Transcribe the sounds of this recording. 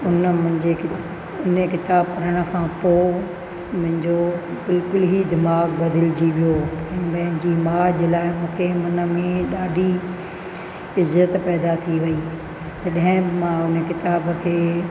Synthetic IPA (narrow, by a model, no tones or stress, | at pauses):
ʊnəmʊ̃ɦɪ̃ɲd͡ʑek | ʊnekɪt̪aːb̚kɐɾəɽ̃ə̆kʰãːpoː | mʊ̃ɦɪ̃ɲd͡ʑobɪlkʊlɦid̪ɪmaːɡbɐd̪ʱɪld͡ʑiʋijoɛ̃ːpɐ̃ɦɪ̃nd͡ʑiːmaːd͡ʑlaːɪmũːkʰemʊnə̆mẽɗaːɖʱi | ɪzːət̪pɛːd̪at̪ʰiʋɐiː | t̪ɐɗɐɦɪ̃mãʊnəkɪt̪aːbəkʰeː